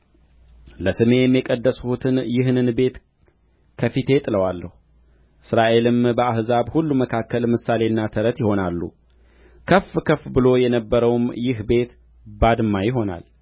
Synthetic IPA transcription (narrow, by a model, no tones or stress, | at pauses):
ləsɨme̞ɛmjɛkʼəd̪ːəsut̪ʰɨnjɪɦnɨnbe̞t̪ | kʰəfit̪ʰe̞t̪ʼɨləwalːəhu | ʔɨsɾaʔe̞lɨmbəahzaβhulːuməkʰakːəlmɨsale̞ɨnːat̪ʰəɾət̪jɪho̞nalːṵ | kʰəfːkʰəfbɨlo̞jɛnəbːəɾəwmjɪhbe̞t̪ | bad̪mːajɪɦo̞na̰l